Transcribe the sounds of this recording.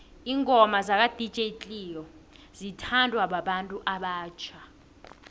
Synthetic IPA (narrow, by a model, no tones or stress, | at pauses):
iːŋʱɔmazak̬ʼad̥ʱi̥t͡ʃʼet͡ɬʼiːjɔzitʰandʱwaɓaɓantʼuʔaɓaːt͡ʃʰa